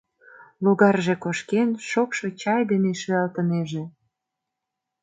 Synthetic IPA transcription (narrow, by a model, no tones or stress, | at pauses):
luɣɑrʒe̽koʃkenʃokʃo̽t͡ɕɑjd̪eneʃyɑlt̪əneʒĕ